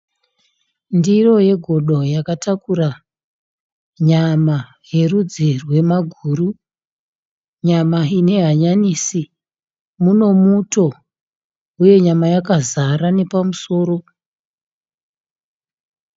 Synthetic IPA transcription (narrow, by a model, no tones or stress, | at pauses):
ndiro̞je̞ɡʱo̞ɗo̞jakatakura | ɲama | je̞rud͡zirwe̞maɡʱuːru | ɲamaine̞ɦaɲaniːsi | muno̞muto̞ | uje̞ɲamajakazaɾane̞pamuso̞ːɾo̞